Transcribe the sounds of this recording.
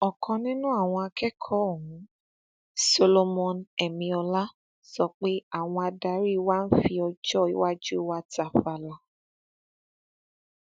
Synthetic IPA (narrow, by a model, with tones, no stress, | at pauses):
ɔ˨kʰɔ̃˧nĩ˦nũ˦a˦˨w̃ɔ̃˧a˧kʰɛ˦kʰɔ˦o˦˨ɦũ˨˦ | so˧lo˧mɔ̃˧nɛ˨mĩ˧ɔ˧la˦ | sɔ˧k͡pe˦a˦˨w̃ɔ̃˧a˧da˧˦ɾi˦wa˦n̩˦fi˧ɔ˧d͡ʒɔ˦˨i˦wa˦d͡ʒu˦wa˦ta˨fa˧˨la˨˧